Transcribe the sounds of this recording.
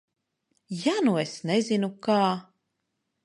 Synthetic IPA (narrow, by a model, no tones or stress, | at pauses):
januesnɛzinukaː